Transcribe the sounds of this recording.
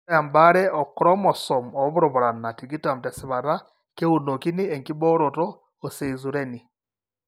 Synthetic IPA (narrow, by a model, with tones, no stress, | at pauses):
a˨mbaɾeo˨kɾomoso˨mo˨ββu˦ɾoβoɾa˨na˨tiɡi˦ta˨mte˨siβa˨ɾa˦ | ke˦wuno˨ki˦nieŋki˦βoː˦ɾotɔː | se˨izuɾeni